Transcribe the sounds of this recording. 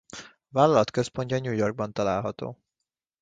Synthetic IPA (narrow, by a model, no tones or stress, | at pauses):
vaːlːɒlɒt̪kø̞spo̞ɲcɒɲuːjo̞rɡ̚bɒnt̪ɒlaːlɦɒt̪o̰ː